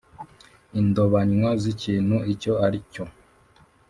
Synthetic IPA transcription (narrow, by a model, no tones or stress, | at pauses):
indoβaɲwaziciːnhuico̞aɾico